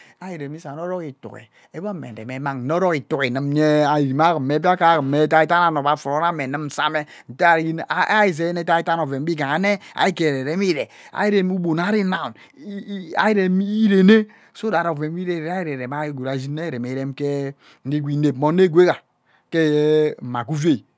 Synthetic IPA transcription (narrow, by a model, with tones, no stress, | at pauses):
a˦i˨ɾe˨mi˦sa˨no˦ɾo˦ki˨tṵ˨kḛ˨ | e˦ba˦˨mḛ˨dḛ˨me˨˦ma˨ŋ̩˨no˦ɾɔ˦ɣi˨tu˨ki˨nɨ˨˦m˦ɲe˦a˨i˨ɾi˨ma˦ɣə˨mːe˨˦p̬i˦a˦ka˦˨ɣə˨mːe˦ta˦i˦ta˦na˨no˨ba˨fu˨ɾo˦na˦me˨nɨ˦m̩˨sa˦me˦ | n̩˨te˦a˨ɾi˦˨a˦i˨ze˨˦ne˦ta˦i˦ta˦no˨ve˨m˦bi˦ɡa˨ŋa˨ne˦a̰˨i˦ke˨ɾe˨ɾe˦m˦i˦ɾe˨ | a̰˨˦i˦ɾe˦mu˦bo˨na˦ɾi˦na˨u˨n˦ | a̰˦i˦ɾe˨mi˦ɾe˨ne˦ | so˦da˨ɾo˨ve˨m˦i˦ɾe˦˨ɾa˦i˦ɾe˨ɾe˨ma˦ɡu˨ɾa˨zi˦ne˦˨ɾe˨me˨˦ɾe˦mke˦ | n̩˦i˦ɡʷi˨˦ne˨pmo˨ne˦˨ɡʷe˦ka˨ | ke˦m̩˨ma˨ku˦ve˦˨